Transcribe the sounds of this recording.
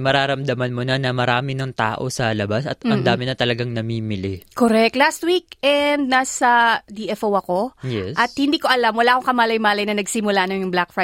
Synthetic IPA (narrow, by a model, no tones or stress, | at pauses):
mɐɾaːɾɐmd̪ɐmɐnmʊnanɐmɐɾaːmɪnɐŋt̪aːʔo̞sɐlɐbasɐt̪ɐd̪aːmɪnɐt̪ɐlɐɡaŋnɐmiːmɪlɪkoɾɛk̚t̪last̪wik̚ɛnd̪̚naːsɐd̪iːʔɛfʔowɐko̞jɛʔɐt̪̚hɪnd̪iːko̞ʔɐlamwɐlaːʔko̞ŋkɐmaːlɐjmaːlɐjnɐnɐɡsimʊlaʔnojʊŋblakfɹa